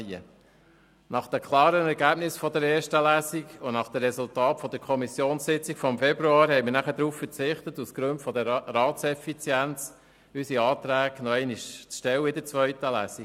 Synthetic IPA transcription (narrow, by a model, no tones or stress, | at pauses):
ə̰ | nɑχd̥ɛkʰlˠɑːɾənɛɾɡæːb̥nɪsfɔd̪əɾɛːɾʃtəlæːsiɡʊnɑχd̪̥ɛrɛsʊltɑːtfɔd̥̪əɾkʰɔmisjoːnssɪt͡sikfɔmfɛbɾuɑːɾhɛɪmɪɾnæχəd̪ɾuːffəɾt͡sɪχt̪ət̪uskɾʉntfɔd̪əɾɑːtsɛfit͡sjænt͡s | ysiɑːt̪ɾæːɡnɔɛɪniʃt͡sʃtɛwəɪd̪ət͡sʋœʏtəlæ̰ːsi